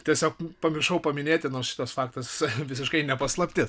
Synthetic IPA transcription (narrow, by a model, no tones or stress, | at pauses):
t̪ʲiɛsʲoːk̚pɐmʲɪɾʃɐʊpɐmʲɪnʲeːt̪ʲɪnoːɾsʃʲɪ̥t̪ɐsfɑːkt̪ɐsʋʲɪsʲɪʃkɐɪnʲɛpɐslˠɐpʲt̪ʲɪs